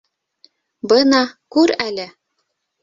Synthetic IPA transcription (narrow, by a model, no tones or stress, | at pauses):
bɤnɑkuɾælʲɘ̆